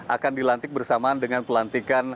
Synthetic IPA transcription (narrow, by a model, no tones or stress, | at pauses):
ʔa̰kandilant̪ɪk̚bərsamandəŋanpəlant̪ikan